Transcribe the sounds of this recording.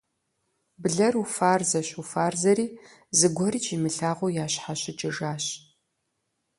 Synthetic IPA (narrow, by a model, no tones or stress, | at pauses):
bɨɮɐrufaːrzɐɕufaːrzɐɾiː | zɨɡʷɔɾiːt͡ʃʰʼimɨɬaːʁʷojaːɕħaɕɪt͡ʃʼɪʐaːɕ